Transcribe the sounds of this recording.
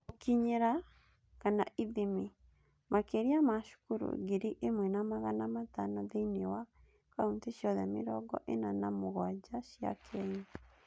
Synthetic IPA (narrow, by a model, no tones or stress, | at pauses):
okiɲeɾa | kana̰ʔiðemi | mʔakeɾiamaʃu̥kuɾo̰ɡeɾiʔemwɛnamaɣanamatanɔðeinewa | kaunteʃjɔðɛmḛɾɔɡɔ̰ʔenanamoɣwad͡ʒaʃia̰kʰɛɲa